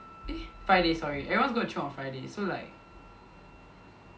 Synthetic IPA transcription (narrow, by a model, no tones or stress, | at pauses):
ɛfɹajdesɔɹiʔɛɹiwɔ̃ns̬ɡot͡ʃʰũɔ̃nfɹaɪdesolaɪk̚